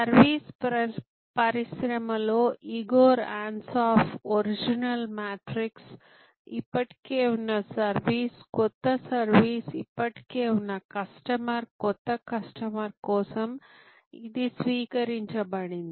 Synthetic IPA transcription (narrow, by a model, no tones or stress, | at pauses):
sɐɾʋiːs | pɐɾisɾɐmɐloːʔiɡoːɾaːɳsaːpʰoɾid͡ʒinɐlmaːʈɾiks | ipːɐʈi̥keːunːɐsɐɾʋiːskɔt̪ːɐsɐɾʋiːsipːɐʈi̥keːunːɐkɐsʈɐmɐɾkɔt̪ːɐkɐsʈɐmɐɾkɔːsɐm | id̪isʋiːkɐɾiɲt͡ʃɐbɐɽind̪i